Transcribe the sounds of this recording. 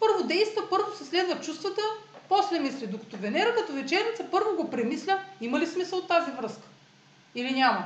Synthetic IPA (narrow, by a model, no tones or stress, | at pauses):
pɤɾvod̪ɛjst̪vəpɤɾvosɛslɛd̪vət͡ʃust̪vət̪əpɔslɛmislid̪okɐ̥t̪ɔvɛnɛɾəkɐt̪ɔvɛt͡ʃɛɾnʲit̪səpɤɾvoɡopɾɛmislʲəimɐlismisəlˠot̪ːazivɾɤskə̥ | ilinʲamɐ